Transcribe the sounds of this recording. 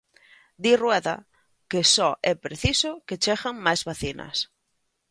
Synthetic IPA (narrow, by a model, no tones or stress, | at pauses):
d̪irwɛða̰ | kesɔʔɛpɾeθisoket͡ʃeɣaŋmajzβaθina̰s